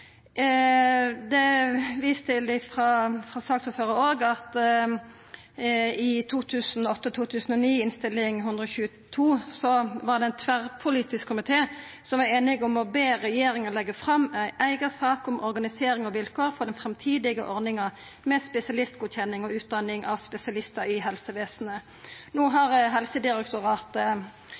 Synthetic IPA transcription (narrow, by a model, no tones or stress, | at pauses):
d̪ɛʋiːst̪ʰɪlɪfʁɑfɾɑsɑːk̚t̪huːføːʁəoːɡɑt̪ | ɪt̪ʰuːt̪ʰʉːsnɔɔt̪ːət̪ʰuːt̪ʰʉːsn̩ɔniːɪnst̪ɪlɪŋɦʉnd̪ɾəɔçʉːə | t̪ʰuːsɔʋɑʁd̪ɛæɪnt̪ʰʋæʁpʰʊliːt̪ɪskkʰːʊmɪt̪ʰeː | sɔmʋɑɾeːnɪɡɔmɔbeːɾɛjeːɾɪŋəlɛɡːəfʁɑmːæɪʔæɪɡəsɑːkɔmʔɔɾɡɑnɪseːɾɪŋɔʋɪlkʰoːʁfɔd̪ɛnfɾɛmt̪ʰiːd̪ɪɡə̰ʔɔɾnɪŋɑ | mɛspɛsɪɑlɪst̪ɡuːd̪çɛnːɪŋɔʉːt̪̚d̪ɑnɪŋʔɑʋspɛsɪɑlɪst̪əɾɪɦɛlsəʋeːsn̩ə | nuːɦɑʁɦɛlsəd̪ɪɾɛkt̪ʊʁɑːt̪